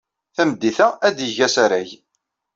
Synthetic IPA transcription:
θæməd̪ːiθææd̪jəʝæsæɾæʝ

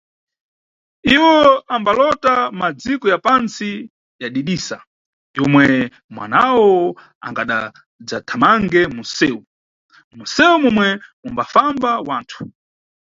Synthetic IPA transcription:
iwɔambalɔtamad͡zikɔjapant͡si | jaɗiɗisa | jɔmwɛ | mwa̰nawɔ | a̰ŋɡaɗa̰ | d͡zatʰamaŋɡɛmusɛːu | musɛumɔmwɛmumbafambawaːntʰu̥

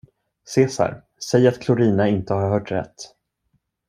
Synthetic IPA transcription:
seːsa̰ɾ | sɛjat̪kʰlʊɾiːnaɪnt̪əhaɾhœːʈɾɛ̰t̪ː

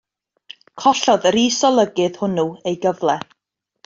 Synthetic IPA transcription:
kʰɔɬɔðɾiːsɔlˠəɡɨð̥hʊnuejɡəvlˠɛ

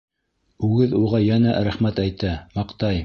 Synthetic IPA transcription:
ʉɡɘðuʁɑjænæɾæχmæt̪æjt̪æmɑqt̪ɑj

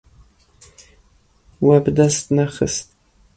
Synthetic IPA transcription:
wabdastnaχəstʼ

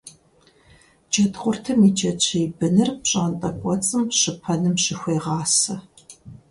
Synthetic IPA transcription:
d͡ʒɐtχʷʊrtʰɨmit͡ʃʼɐt͡ʃʰejbɨnɨrpɕʼaːntʼɐkʷʼɔt͡sʼɨmɕɪpʰɐnɨmʃɪxʷeːʁɑːsɐ

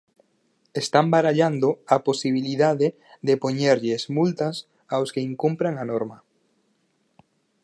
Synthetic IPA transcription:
est̪ambaɾaʎand̪ʊaposiβ̞iliðaðe | ðepoɲeɾʎesmult̪as | awskeiŋkumpɾaŋanoɾmɐ

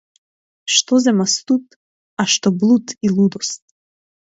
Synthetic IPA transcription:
ʃt̪ɔzɛmast̪ut̪ | aʃt̪ɔblˠut̪ilˠud̪ɔst̪̚

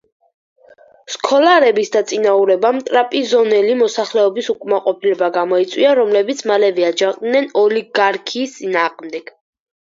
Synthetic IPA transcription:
skʰɔlaɾɛbisd̪at̪sʼinauɾɛbamt̪ʼɾapʼizɔnɛlimɔsaχlɛɔbisukʼmaqʼɔpʰilɛbaɡamɔit̪sʼwiaɾɔmlɛbit̪sʰmalɛvɛad͡ʒaqʼd̪nɛnɔliɡaɾkʰiːst̪sʼinaːʁʼmd̪ɛɡ̥

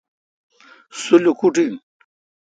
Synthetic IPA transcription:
sulukuʈiŋ

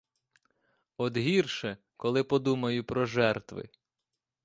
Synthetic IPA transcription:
ɔd̪ɦirʃɛ | kɔlˠɪpɔd̪umɐjʊpɾɔʒɛrt̪ʋɪ̰

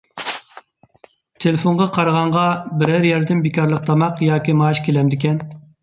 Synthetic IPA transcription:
t̪ʰelɪfonʁɑqʰɑɾʁɑɴʁɑbɪɾæɾjɛɾd̪ɪnbikʲɑɾlˠəq̚t̪ʰɑmɑqjɑːkʲimɑːʃkʲʰelɛmd̪ɪkʲɛn

